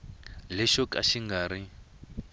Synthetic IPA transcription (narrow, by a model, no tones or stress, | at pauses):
lɛʃɔkʼa̰ʃiŋɡaːɾi